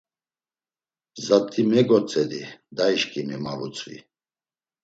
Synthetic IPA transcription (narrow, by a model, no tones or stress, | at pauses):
zat̪ʼimɛɡɔt͡sʼɛd̪id̪aiʃkʼimimavut͡sʼvḭ